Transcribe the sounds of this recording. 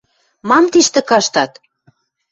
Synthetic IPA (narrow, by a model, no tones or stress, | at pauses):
mɑmt̪iʃt̪ɘ̆kɑʃt̪ɑt̪